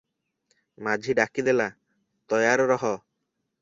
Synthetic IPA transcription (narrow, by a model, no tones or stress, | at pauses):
mad͡ʒʱiɖakid̪ela | t̪ɔjaɾɾɔɦɔ